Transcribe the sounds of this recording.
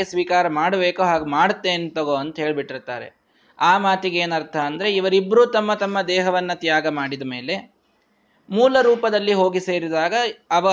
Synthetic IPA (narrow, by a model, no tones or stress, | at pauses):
esʋiːkaːɾɐmaːɽɐbeːkuɦaːɡmaːɽt̪ːeːnt̪ɐɡoɐnt̪ɐɦe̞ːɭbiʈːiɾt̪a̰ːɾḛ | aːmaːt̪iɡeːnɐɾt̪ʰɐːnd̪ɐɾeiʋɐɾibːɐɾuːt̪ɐmːɐt̪ɐmːɐd̪ɛːɦɐʋɐnːɐt̪jaːɡɐmaːɽid̪ɐme̞ːle̞ | muːlɐɾuːpɐd̪ɐlːiɦo̞ːɡise̞ːɾid̪aːɡɐɐʋɐ